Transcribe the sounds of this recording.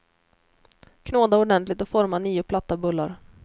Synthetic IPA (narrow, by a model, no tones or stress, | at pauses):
kʰnoːd̪aɔɖɛnt̪lɪt̪ɔfɔɾmaniːʊpʰlat̪ːabɵlːaɾ